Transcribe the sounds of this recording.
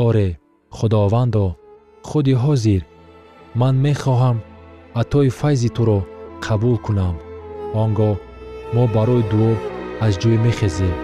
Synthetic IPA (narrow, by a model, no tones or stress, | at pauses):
ɔɾe | χud̪ɔvand̪ɔ | χud̪iɦɔziɾ | manmeχɔɦamat̪ʰɔifajzit̪ʰuɾɔqʰabulkʰunamɔŋɡɔmɔbaɾɔid̪uɔazd͡ʒɔimeχezem